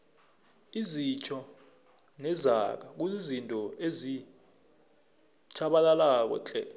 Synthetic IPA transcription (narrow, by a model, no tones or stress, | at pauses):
izit͡ʃʰɔ | nɛzak̬ak̬uzizintʼɔezi | t͡ʃʰaɓalalak̬ɔ̰t͡ɬʰɛ